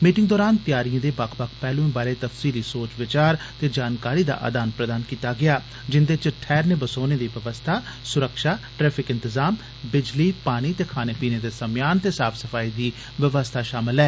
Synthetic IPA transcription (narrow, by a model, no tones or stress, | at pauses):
miːʈɪŋɡd̪ɔːɾaːnt̪jaːɾijãːd̪eːbəkʰbəkʰpɛːlũĩːbaːɾeːt̪əfsiːliːsoːt͡ʃʋɪt͡ʃaːɾ | t̪eːd͡ʒaːnkaːɾiːd̪a̰ːʔa̰ːd̪aːnpɾəd̪aːnkiːt̪aːɡɪaː | d͡ʒɪnd̪et͡ʃʈʰɛːɾneːbəsoːneːd̪iːʋəʋəst̪ʰaːsʊɾəkʃaːʈɾɛːpʰɪkɪnt̪əzaːm | bɪd͡ʒliːpaːñiːt̪eːkʰaːneːpiːneːd̪eːsəmjaːnt̪eːsaːfʰsəfʰaːiːd̪iː | ʋəʋəst̪ʰaːʃaːmɪlɛː